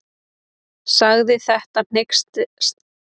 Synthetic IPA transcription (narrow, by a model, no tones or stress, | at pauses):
saɣðɪθɛht̪an̥ɪkst̪st̪